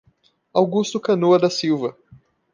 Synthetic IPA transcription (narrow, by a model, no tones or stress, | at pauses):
awɡust̪ʊkɐ̃noɐd̪ɐsiwvɐ